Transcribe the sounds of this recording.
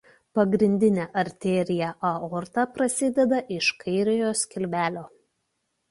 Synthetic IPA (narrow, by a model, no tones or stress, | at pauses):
pɐɡɾʲɪnʲd̪ʲɪnʲɛːʔɐɾʲt̪ʲeːɾʲɪjɛʔɐoːɾt̪ɐpɾɐsʲɪd̪ʲɛd̪ɐʔɪʃkɐɪɾʲɪjoːskʲɪlʲʋʲæːlʲoː